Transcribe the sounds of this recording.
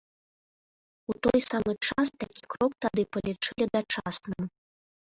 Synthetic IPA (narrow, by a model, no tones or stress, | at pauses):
ut̪ɔjsamɨt͡ʂast̪akʲi̥kɾɔk̚t̪ad̪ɨpɐlʲit͡ʂɨlʲid̪at͡ʂasnɨm